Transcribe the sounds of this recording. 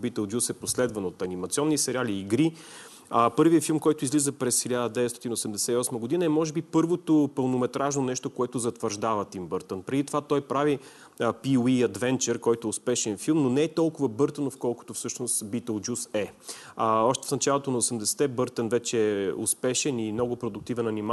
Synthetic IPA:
bit̪əlˠd͡ʒjusɛposlɛd̪vɐnot̪ɐnimɐt̪sʲiɔnːisɛɾʲialiːɡɾi | əpɤɾviəfilˠmkɔjt̪ʊizlizəpɾɛsxilʲad̪əd̪ɛvɛt̪st̪ɔt̪inosɛmd̪ɛsɛiɔsməɡʊd̪inɐɛmɔʒɛbipɤɾvot̪opəlˠnomɛt̪ɾaʒnonɛʃt̪okoɛt̪ʊzɐt̪vəɾʒd̪avət̪imbɤɾt̪ənpɾɛd̪it̪ovat̪ɔjpɾavi | piwiɐd̪vɛnt͡ʃɛɾkɔjt̪ʊɛʊspɛʃɛnfilˠmnonɛɛt̪ɔlˠkʊvəbɤɾt̪ənofkɔlˠkʊ̥t̪ofsɤʃnost̪bit̪əlˠd͡ʒusɛəɔʃt̪ɛ̥fnɐt͡ʃalˠot̪onɐosɛmd̪ɛsɛ̥t̪ɛbɤɾt̪ənvɛt͡ʃɛɛʊ̰spɛʃɛnimnɔɡʊpɾod̪ʊk̚t̪ivɛnɐnima

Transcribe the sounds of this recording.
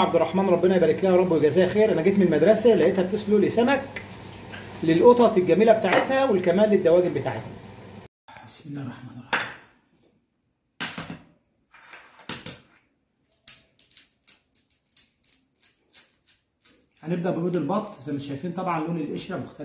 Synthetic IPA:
ʕɑbd̪erˤːɑħmæːnɾˤɑbːenɑjbæɾeklæːhæɑɾˤɑbːuweɡæzæːjæxeːɾʔænæɡeːt̪menelmæd̪ɾˤɑsælæhʔet̪hæb̚t̪eslulesæmæk | lelʔot̪ˤɑt̪elɡæmeːlæbet̪aːʕet̪hæwelkæmæːlːed̪ːæwæːɡembet̪aːʕet̪hæ | ħasinːærˤːɑħmæːnrˤːɑħ | hæneb̚d̪æʔbeɾuːd̪elbɑt̪ˤːzæmet̪ʃæjfiːnt̪ˤɑbʕɑnlːoːnelʔeʃɾæmoxt̪æ

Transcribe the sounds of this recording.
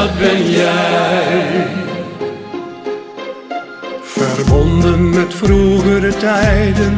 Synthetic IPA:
tbɪnjɛjj | fərbɔnd̪ənmɛtfɾuːɣəɾətɛjdən

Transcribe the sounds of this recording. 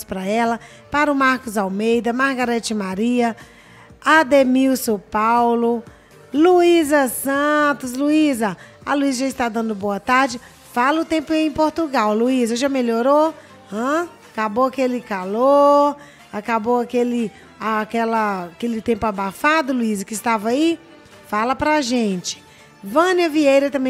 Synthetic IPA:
spɾɐɛlɐ | paɾʊmaɾkʊzawmejd̪ɐmaɾɡaɾɛt͡ʃɪmaɾiɐ | ad̪emiwsopawlʊ | luizɐsɐ̃t̪ʊs̬luizɐɐluizɐʒaɪst̪ad̪ɐ̃nd̪ʊboɐt̪aɾd͡ʒɪ | falɐʊt̪ẽmpʊiẽj̃poɾt̪uɡawluizɐʒameʎoɾo | ɐ̃ | akaboakelɪkalo | akabowakelɪ | akɛlɐkelɪt̪ẽmpʊabafad̪ʊluizɐkɪːst̪avai | falɐpɾaʒẽt͡ʃɪ̥ | vɐ̃niɐviejɾɐt̪ɐ̃mbẽ

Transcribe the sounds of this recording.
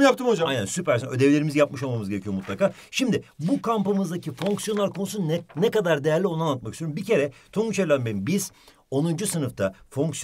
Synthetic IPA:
japt̪ʰɯmod͡ʒaajnæ̰nsypæɾsnø̞d̪evlʲe̞ɾimizjapmɯʃo̞lˠmamɯzɟeɾecʰyjo̞mut̪lˠakaːʃimd̪ɪbukʰampamɯzd̪acʰifo̞ŋksjo̞naɾkʰo̞nusunnɛkad̪aɾd̪e̞jæɾlʲio̞nanːˠat̪makist̪yjoɾumːbicʰe̞ɾɛt̪ʰonut͡ʃʰeɾlʲanbenbiz̥ | o̞nund͡ʒusɯnɯft̪ʰafo̞ŋks

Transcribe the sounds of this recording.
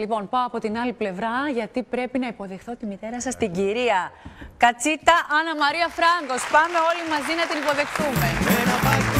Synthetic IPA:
lipo̞npɐoɐpo̞t̪inɐliple̞vɾɐʝɐt̪ipɾe̞pinɐipo̞ðe̞xθo̞t̪imit̪e̞ɾɐsɐst̪iɟiɾiɐkɐt͡sit̪ɐʔɐnɐmɐɾiɐfɾɐŋɡo̞spɐme̞o̞limɐzinɐt̪inipo̞ðe̞xtume̞eɾɐpɐ

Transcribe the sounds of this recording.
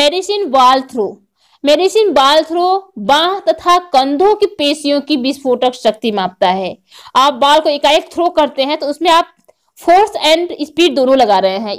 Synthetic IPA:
mɛːɖɪsinbaːlt̪ʰɾoː | mɛːɖɪsinbaːlt̪ʰɾoːbãːɦt̪ɐt̪ʰakɐ̃nd̪ʱõkipeːsijõkibispʰoːʈəkʃɐk̚t̪imãːp̚t̪aɦɛː | aːp̚baːlkoekaːek̚t̪ʰɾoːkɐɾt̪eɦɛ̃t̪oʊsmẽaːp̚ | fʰoːɾsɛ̃ːɳɖɪspiːʈ̚d̪oːnõlɐɡaːɾɐɦeɦɛ̃ː

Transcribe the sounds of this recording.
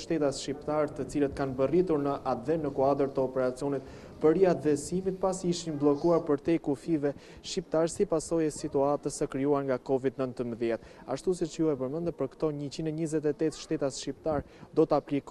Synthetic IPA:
ʃt̪ɛt̪asʃipt̪aɾt̪ət͡silət̪kanbərit̪uɾnəʔad̪vɛnəkuad̪əɾt̪əɔpɛɾat͡siɔnit̪̚ | pəɾiat̪ðɛsimit̪̚pasiiʃinblˠɔkuaɾpəɾt̪ɛkufivɛ | ʃip̚t̪aɾsipasɔjɛsit̪uat̪əsəkɾiuaŋɡakɔvid̪nənt̪əmbəðjɛt̪ | a̰ʃt̪us̬ɛt͡ʃuɛpəɾmənd̪ɛpəɾkt̪ɔɲət͡ɕinɛɲəzɛt̪̬ɛt̪ɛt̪ʃt̪ɛt̪asʃip̚t̪aɾd̪ɔt̪əaplik

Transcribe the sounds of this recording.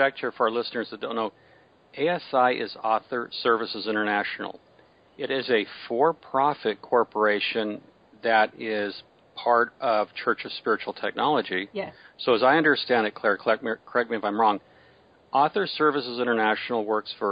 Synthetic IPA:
ɛk̚t͡ʃʰə˞fə˞ə˞lɪsnə˞zðɨt̚d̥õʊ̃nːoʊ | ʔeɪɛsaɪʔɪ̰zɔθə˞sɜ˞vɨsɨzɪ̃ɾ̃ə˞næʃn̩l̩ˠ | ɪɾɪzɨfɔɹpʰɹ̥ɑfɨt̚kʰɔɹpə˞eɪʃɨ̃n | ðɨɾɪz̥ | pʰɑɹɾʔʌv̥t͡ʃʰɜ˞t͡ʃʌv̥spɪɹɨt͡ʃul̩ˠtʰɛk̚nɑlˠəd͡ʒisoʊɨzaɪʌ̃ndə˞stæ̃ndɨt̚kʰl̥ɛɹkʰl̥ɛt̚mikʰɹ̥ɛk̚miɨfãɪ̃mɹɔ̃ŋ | ʔɔθə˞sɜ˞vɨsɨzɪ̃ɾ̃ə˞næʃnl̩ˠwɜ˞ksfə˞

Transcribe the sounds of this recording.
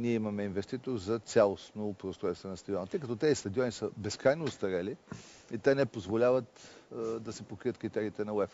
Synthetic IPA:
niɛimɐmɛinvɛst̪it̪oɾzɐt̪sʲalˠosnopɾost̪ɾɛt̪st̪vɛnɐst̪ɐd̪iɔnɐt̪əjkɐt̪ɔt̪ɛzist̪ɐd̪iɔnisəbɛskɾajnoːst̪ɐɾɛliit̪ɛnɛpozvolʲavət̪d̪ɐsɛpokɾiət̪kɾit̪ɛɾiːt̪ɛnɐwɛf

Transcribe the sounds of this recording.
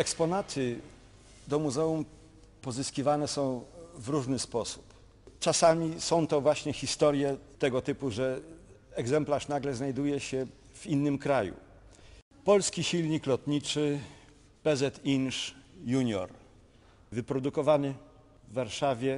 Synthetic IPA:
ɛkspɔnat̪ʰɘ | d̪ɔmuzɛum | pɔzɘskʲivanɛsɔ̃w̃vɾuʐnɘspɔsu̥p | t͡ʂasamʲisɔ̃w̃t̪ɔvwaɕɲɛxʲist̪ɔɾjɛt̪ɛɡɔt̪ɘpuʐɛɛɡzɛmplaʂnaɡlɛznajd̪ujɛɕɛ | v̥inːɘmkɾajṵ | pɔlskʲiɕilɲiklɔt̪ɲit͡ʂɘ | pɛzɛt̪inʂjuɲɔ̰ɾ | vɘpɾɔd̪ukɔvanɘ | vːaɾʂavʲjɛ

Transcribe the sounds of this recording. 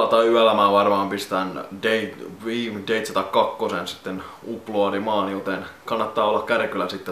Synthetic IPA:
ɑt̪ɑyælæmæːʋɑrmɑːmpist̪æːndeitʋiːmdeit̪set̪ɑkkɑkːosensi̥t̪ːenupːloɑlimɑːnijot̪enkɑnːɑt̪ːɑːolːɑkkærkylæsit̪ːe

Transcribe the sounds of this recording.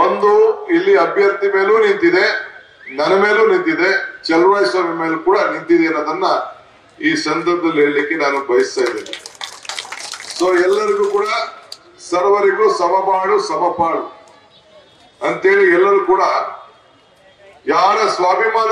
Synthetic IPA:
ond̪uilːiɐbʱjɐɾt̪ime̞ːluːnint̪id̪e̞ | nɐnɐme̞ːluːnint̪id̪e̞t͡ʃɛlʋaːjsʋaːmʱime̞ːlukuːɽɐnint̪id̪eɐnːoːd̪ɐnːɐ | iːsɐnd̪ɐɾbɐd̪ɐleːɭlikːe̞naːnubɐjist̪aːjd̪eːni | soːɛlːɐɾiɡuːkuːɽɐ | sɐɾʋɐɾiɡɐuːsɐbɐbaːɭusɐbɐpaːɭu | ɐnt̪e̞ːɭiɛlːɐɾuːkuːɽɐ | jaːɾɐsʋaːbʱimaːn

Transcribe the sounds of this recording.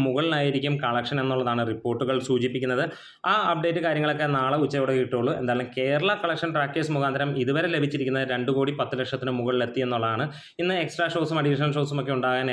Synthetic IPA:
muɣɐɭnaːjiɾikʲːumkɐɭɐkʂɐne̞nːuɭːɐðaːɳɨripːoːrʈːuɣɐɭsuːt͡ɕipːikʲːunːɐðɨ | aːɐp̚ɖe̞ːtːɨkaːɾjɐŋːɐɭo̞kːe̞naːɭɐut͡ɕːɐjoːɽekiʈːoːɭːuend̪aːjɐlumke̞ːɾɐɭɐkɐɭɐkʂɐnʈraːkːeːsmukʰaːnd̪ʱɐɾɐmiðuʋɐɾe̞le̞bʱit͡ɕːiɾikʲːunːɐðɨɾe̞ɳɖuko̞ːɽipɐt̪ːɨlekʂɐt̪ːinɨmuɣɐɭːe̞t̪ːijenːuɭːɐðaːɳɨ | inːɨeksʈraːʂo̞ːsumɐɖiʂ̬ɐnɐʂo̞ːsumo̞kːe̞uɳɖaːɣaːn

